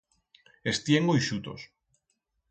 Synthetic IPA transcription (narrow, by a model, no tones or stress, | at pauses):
est̪jeŋɡojʃut̪o̰s